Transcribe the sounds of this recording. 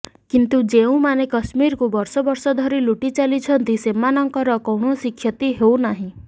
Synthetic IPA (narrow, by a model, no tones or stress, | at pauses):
kint̪ud͡ʒeũmanekʌsmiɾkubɔɾsɔbɔɾsɔd̪ʱɔɾiluʈit͡ʃalit͡ʃʰɔnt̪isemanɔŋkɔɾɔkɔwɽ̃osikʰjɔt̪iɦewnaɦĩ